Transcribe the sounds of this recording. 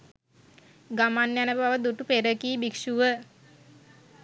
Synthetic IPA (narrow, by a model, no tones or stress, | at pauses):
ɡamanjanəbaʋəd̪uʈupeɾəkiːbikʃuʋə